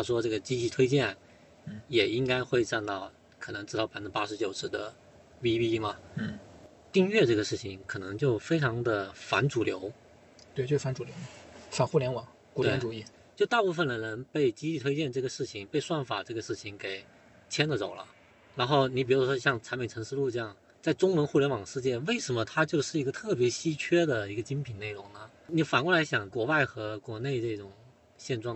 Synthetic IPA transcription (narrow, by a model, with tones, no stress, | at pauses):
t̪ʰa˥˩ʂwɔ˥ʈ͡ʂɤ˥˩ɡə˩t͡ɕi˥t͡ɕi˥˩t̪ʰwe˥ɪt͡ɕjɛ˥˩n̩˥˩ | jɛ˨˩i˥ŋka˥ɪxwe˥˧ɪʈ͡ʂa˥˧nt̪ɑ˥˩ʊ | kʰɤ˨˩nɤ˧˥ŋʈ͡ʂɻ̩˥˧ɑ˥˩pa˥n̩˥pa˥ʂɻ̩˧˥t͡ɕjo˨˩ʊʂɻ̩˥˩d̪ə̰˧˩ | wi˥pi˥mɐ˩˥˩ | t̪i˥˧ŋɥɛ˥˧ʈ͡ʂɤ˥˩ɡə˩ʂɻ̩˥˩t͡ɕʰi˨˩ŋkʰɤ˨˩nɤ˧˥ŋt͡ɕjo˥˩ʊfe˥ɪʈ͡ʂʰɑ˧˥ŋd̪ə˧fa˧˥nʈ͡ʂu˨˩ljo˧˥ʊ | t̪wt͡ɕo˥˧ʂ̩˥˧fa˧˥nʈ͡ʂu˨˩ljo˧˥ʊfa˨˩nxu˥˩ljɛ˥nwɑ˨˩˦ŋ | tku˨˥˩wʰɪ˥ʈ͡ʂu˨˩˦i˥˩ | t͡ɕjo˥˧ʊt̪a˥˧pu˥˩fə˩nlə˨˩nə˧˥npe˥˩ɪt͡ɕi˥t͡ɕi˥˩t̪ʰwe˥t͡ɕjɛ˥˧nʈ͡ʂɤ˥˩ɡə˩ʂɻ̩˥˩t͡ɕʰi˨˩ŋpe˥˧ɪswa˥˩nfa˨˩ʈ͡ʂɤ˥˩ɡə˩ʂɻ̩˥˩t͡ɕʰi˨˩ŋke˨˩ɪ | t͡ɕʰjɛ˥nd̪ə˨˩t͡so˨˩ʊlə̰˦ | ɻa˧˥nxo˥˩ʊni˧˥pi˨˩ɻu˥˩˥ʂwɔ˥ɕjɑ˥˩ŋt͡sʰa˧˥mi˨˩ʈ͡ʂʰɤ˧˥ŋʂɻ̩˥˧lu˥˧ʈ͡ʂɤ˥˧jɑ˥˩ŋ | t͡sa˥˩ɪʈ͡ʂʊ˥ŋwə˧˥nxu˥˩ljɛ˧˥nwɑ˨˩ŋʂɻ̩˥˧t͡ɕjɛ˥˩nwe˥˩ɪʂə˧˥nmə˧t̪ʰa˥t͡ɕjo˥˧ʊʂɻ̩˥˩i˧˥ɡə˧t̪ʰɤ˥˩pjɛ˧˥ɕi˥t͡ɕʰɥɛ˥d̪ə˨˩i˧˥ɡə˧t͡ɕi˥npʰi˨˩nne˥˩ɪɻʊ˧˥ŋnə˨ | ni˧˩fa˨˩nkwla˧˥ɪɕjɑ˨˩ŋkwɔ˧˥wa˥˩ɪxɤ˧˥kwɔ˧˥ne˥˧ɪʈ͡ʂɤ˥˩ʈ͡ʂʊ˨˩ŋ | ɕjɛ˥˧nʈ͡ʂwɑ˥˩ŋ